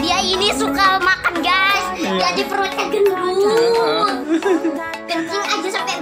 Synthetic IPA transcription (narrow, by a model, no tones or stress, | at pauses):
diainisukamakanɡasɡadipəɾot͡ʃaɡəndu | ɡ̥ənt͡ʃɪŋad͡ʒasampɛʔ